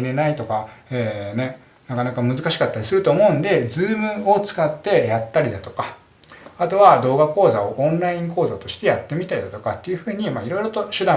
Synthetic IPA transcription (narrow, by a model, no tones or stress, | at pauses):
ɾe̞nait̪o̞kaeːne̞ | nakanakamɯ̟zɨkaɕi̥kat̪ːaɾʲisɨɾɯ̟t̪oːmo̞ɯ̟̃nd̪e̞d͡zɨːmɯ̟o̞t͡sɨ̥kat̪ːe̞jat̪ːaɾʲid̪at̪o̞̥ka | at̪o̞βad̪o̞ːɡako̞ːzao̞ʔõ̞nɾaĩŋko̞ːzat̪o̞ɕi̥t̪e̞jat̪ːe̞mʲit̪aid̪at̪o̞kat̪ːe̞jɯ̟ɸɯ̟ːɲ̟imaiɾo̞iɾo̞t̪o̞ɕɨd̪ã